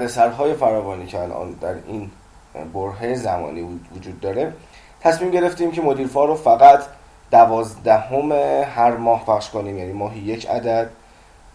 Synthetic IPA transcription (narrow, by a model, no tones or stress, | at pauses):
æd̪esæɾɦɒːje̞fæɾɒːvɒːniːcʰeælʔɒ̰ːnd̪æɾin | boɾɦejezæmɒ̰ːniːvod͡ʒuːd̪ːɒːɾe̞ | t̪ʰæsmiːmɟe̞ɾe̞ft̪iːmcʰemo̞d̪iːɾfɒːɾofæɣæt̪ʰ | d̪̥ævɒːzd̪æhomehæɾmɒːhpʰæχʃko̞niːmjæniːmɒːɦije̞cʰæ̰d̪æd̪̥